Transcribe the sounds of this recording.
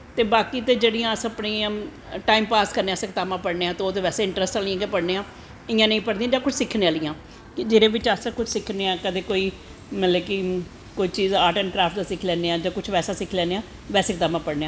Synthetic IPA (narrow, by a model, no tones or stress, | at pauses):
t̪eːbaːkiːt̪eːd͡ʒeːɽijãːəspɳiːã | ʈaːimpaːskəɾneːãːsɪkt̪aːmãːpəɽneːãːt̪eoːt̪eːʋɛːseːɪ̃ɳʈɾəsʈaːnɪjãːkepəɽneːãː | ɪjãːnəĩːpəɽd̪ĩãːd͡ʒãːkʊt͡ʃʰsɪkʰnẽãːlɪjãː | kɪd͡ʒɪɾẽːʋɪt͡ʃasakʊt͡ʃʰsɪkʰneːãːkəd̪eːkoːiː | mənləkɪ | koːiːt͡ʃiːzaːʈəːnkɾaːfʈd̪aːsɪkʰlɛːneːãːd͡ʒãːkʊt͡ʃʰʋɛːsaːsɪkʰlɛːneːãː | ʋɛːseːkt̪aːmãːpəɽneːãː